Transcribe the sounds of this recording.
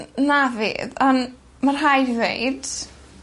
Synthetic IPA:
navɪ̰ːðan | marɦajvvḛjd̥

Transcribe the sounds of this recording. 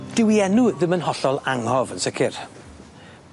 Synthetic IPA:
d̥ɪwiɛnuðɪmənɦɔɬɔlˠaŋhɔvənsəkʰɪr

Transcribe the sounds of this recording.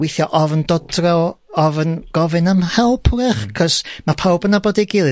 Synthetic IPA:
wɪθjɔʔɔvəndɔdra | ɔvənɡ̥ɔvɨnamhɛlˠpʰrɪχkʰɔsmapʰawbənaboːdiɡɪlˠɨ

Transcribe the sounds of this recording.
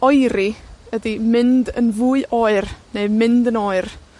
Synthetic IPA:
ɔjɾiədimɪndə̰nvuːɨʔoːɨrneɨmɪndənoːɨr

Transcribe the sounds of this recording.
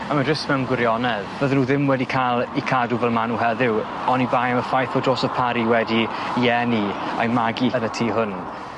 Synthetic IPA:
amadɪsmɛnɡwɪɾjɔnɛðbəðnuːðɪmwɛdikʰalˠikʰaduvɛlˠmanuɦɛðɪw | ɔnibaːjaməfajθɔdroːsɔv̥pʰaɾiwɛdiɛnia̰jmaɡiənətʰiːɦʊn

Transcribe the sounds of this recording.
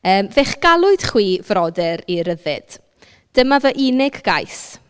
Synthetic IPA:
əːmvɛχɡ̥alˠʊɨd̥χwiːvrɔdɛɾiɾəðɨ̰d̥ | d̥əmavəʔɪnɪɡɡajs

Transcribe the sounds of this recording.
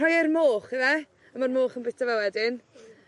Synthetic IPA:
ɔjɪrmoːχɪvɛ | əmarmoːχənbɪtʰavɛwɛdɪn

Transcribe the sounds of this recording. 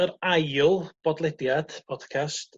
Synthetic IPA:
əɾajʊlˠb̥ɔdlˠɛdjad̥bʰɔd̥kʰast

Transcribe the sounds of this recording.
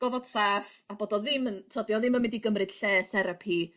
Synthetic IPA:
ɡ̥ɔvɔd̥saːfaboːdɔðɪməntʰɔdjɔðɪmənmɛdiɡəmrɨd̥ɬɛːθɛɾapʰi

